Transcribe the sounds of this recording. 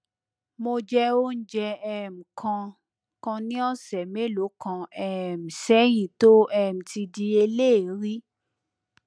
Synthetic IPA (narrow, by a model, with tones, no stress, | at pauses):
mo˧d͡ʒɛ˦o˦n̩˦d͡ʒɛ˧ɛ˦˨m̩˨kʰã˧ | kã˧nĩ˦ɔ˦˨sɛ˨me˦lo˨˦kã˧ɛ˦˧˨m̩˨sɛ˨˦j̃ĩ˨to˦ɛ˦˨m̩˨ti˧di˧e˧le˦˨˦ɾi˦